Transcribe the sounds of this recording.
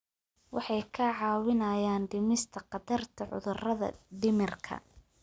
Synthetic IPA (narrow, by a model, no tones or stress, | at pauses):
wɑħɑjkʰɐʕɑːwɪnɐjaːnɖɪmɪst̪ʰɐqɑd̪ɐrt̪ʰɐʕʊ̰ðʊrɐðɐ̰ɖɪmɪrkʰɐ̰